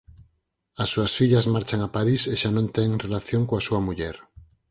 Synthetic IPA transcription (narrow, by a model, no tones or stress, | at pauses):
asːuasfiʎazmaɾt͡ʃaŋapaɾiseʃanõnt̪eŋrelaθjoŋkoasuamuʎeɾ